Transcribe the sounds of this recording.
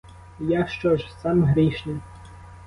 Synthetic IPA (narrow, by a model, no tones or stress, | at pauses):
jaʃt͡ʃɔʐsɑmɦɾʲiʃnʲi